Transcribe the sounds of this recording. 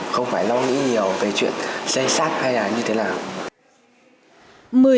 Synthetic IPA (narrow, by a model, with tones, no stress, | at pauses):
xə˧wŋ͡mfaː˧˩jlɔ˧ŋḭ˧˥ɲi˨˩əwve˨˩t͡ɕwḭ˧˨ənsə˧jsaː˦˥k̚ha˧jlaː˨˩ɲɨ˧t̪ʰe˨˦naː˨˩w | mɨ˨˩ə